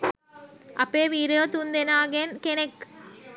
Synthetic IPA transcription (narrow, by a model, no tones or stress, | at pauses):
ʔɐpeːʋiːɾejot̪und̪enaːɡenkenek